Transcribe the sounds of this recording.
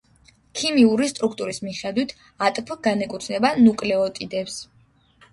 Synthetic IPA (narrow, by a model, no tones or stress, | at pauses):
kʰimiuɾist̪ʼɾuk̚ʰt̪ʼuɾismiχɛd̪wit̪ʰ | at̪ʼpʰɡanɛkʼut̪ʰnɛbanukʼlɛɔt̪ʼid̪ɛps